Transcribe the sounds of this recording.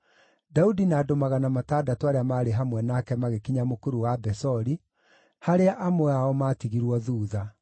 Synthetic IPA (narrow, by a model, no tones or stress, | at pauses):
daudinaːdomaɣanamataːdatoaɾeamaːɾeɦamwɛnakɛmaɣekiɲamokoɾuwabɛsɔɾi | haɾeaʔamoaɔmaːtiɣiɾwɔðuːða